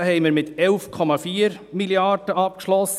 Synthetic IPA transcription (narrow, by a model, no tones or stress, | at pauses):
hɛɪməɾmɪt̪ɛlfkʰɔmɑfiːɾ | miljɑrd̥əɑp̚kʃlɔs